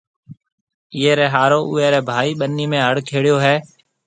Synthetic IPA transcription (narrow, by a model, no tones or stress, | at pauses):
ɪeːɾɛːɦaːɾoːʔʊːeːɾɛːbʱaːiːɓənːiːmẽːɦəɽkʰeːɽjoːɦɛː